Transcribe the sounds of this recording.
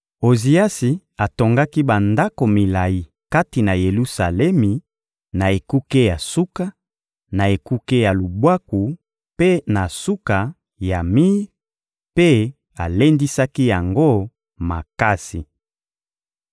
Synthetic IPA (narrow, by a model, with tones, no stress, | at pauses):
o˨zi˨a˦si˨ | a˨to˨ŋɡa˦ki˦ba˨nda˦ko˨mi˨la˨ji˨ | ka˦ti˨na˨je˨lu˦sa˨lɛ˦mi˨ | na˨e˨ku˦ke˦ja˨su˦ka˦ | na˨e˨ku˦ke˦ja˨lu˨bwa˦ku˨ | pe˦na˨su˦ka˨ | ja˨mi˦ | pe˦ | a˨le˦ndi˦sa˦ki˦ja˨ŋɡo˦ | ma̰˨ka˦sḭ˨